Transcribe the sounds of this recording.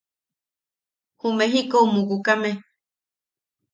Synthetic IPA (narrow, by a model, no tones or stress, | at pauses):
humeɦikoumukukame